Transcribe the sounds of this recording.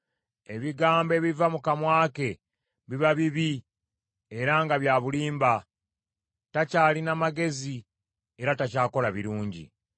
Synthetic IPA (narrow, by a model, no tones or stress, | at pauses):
e̞βiɡaːmbe̞βivamukamwaːke̞ | βiβaβiβi | eɾaŋɡaβjaːβuliːmba | tacaːlinamaɡe̞zi | e̞ɾatacaːko̞laβiɾuːɲɟḭ